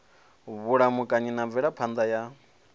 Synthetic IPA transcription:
βuɺamukʼaɲinavɛɺapʰand̪aja

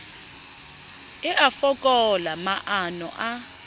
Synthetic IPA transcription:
ɛʔafɔkʼɔlamaʔanɔ̰ʔa

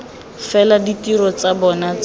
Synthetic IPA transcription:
fɛladitiɾɔt͡sabɔnat͡s

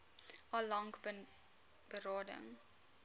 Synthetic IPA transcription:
ɑlɐŋk | b̥əɾɑːdə̰ŋ

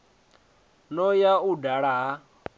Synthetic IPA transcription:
nɔjaudaɺaɦa

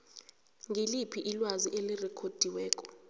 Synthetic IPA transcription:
ŋʱilipʰiʔilwaziʔelirɛkʰod̥ʱiwɛːkʼɔ̥

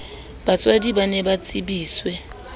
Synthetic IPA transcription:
bat͡sʼwadiɓanɛɓat͡sʼiɓiːswɛ

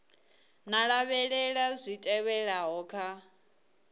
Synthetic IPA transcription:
naɺaβɛɺɛɺazʷitʼɛβɛɺaɦɔkʰa

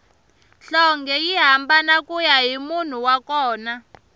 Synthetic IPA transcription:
ɬɔŋɡɛjiɦambanakujaɦimun̤uwakɔːna

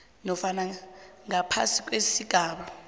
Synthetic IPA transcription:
nɔfanaŋapʰa̰sik̬ʼwesiɡ̥ʱaːɓa

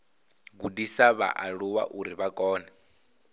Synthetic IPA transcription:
ɡudisaβa̰ʔaɺuwa̰ʔuɾiβakʼɔːna

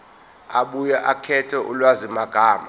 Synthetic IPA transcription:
aɓujaʔakʰɛtʰɛʔulwazimaɡ̥ʱaːma

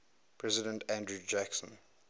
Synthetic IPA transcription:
pʰɹɛzɪdə̃ntʰæ̃ndɹud͡ʒæksə̰̃n

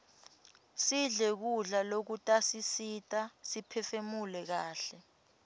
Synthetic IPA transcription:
siɮɛk̬uɮalok̬utʼasisitʼasipʰɛfemulɛk̬aːɬɛ

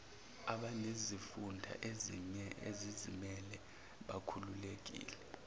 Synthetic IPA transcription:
aɓanezifundʱa̰ʔe | ezizimɛlɛ | ɓakʰululek̬ḭːlɛ

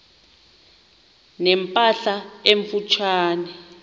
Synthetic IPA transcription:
nɛmpʼaɬaeɱfut͡ʃʰwaːnɛ

